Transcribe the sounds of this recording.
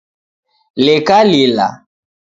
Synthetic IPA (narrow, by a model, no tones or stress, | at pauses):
lekalila̰